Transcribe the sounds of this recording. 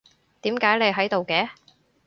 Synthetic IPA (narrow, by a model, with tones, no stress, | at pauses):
t̪iː˨˥mkaː˨˥jle˨˧jɦɐ˨˥jt̪o˨wkɛː˨˥